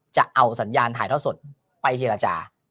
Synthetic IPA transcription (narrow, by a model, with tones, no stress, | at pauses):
t͡ɕa˨˩ʔa˧wsa˩˦njaː˧nt̪ʰaː˨˦jt̪ʰːsu˨˩t̪̚ | pa˧jt͡ɕʰeː˧ɾa˧t͡ɕa̰ː˧